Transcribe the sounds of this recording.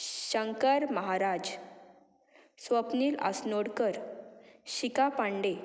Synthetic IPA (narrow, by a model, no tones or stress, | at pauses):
ɕəŋkəɾməɦaɾad͡ʑ | sʋəpniːla̰snoɽkəɾ | ɕikapãɳɖe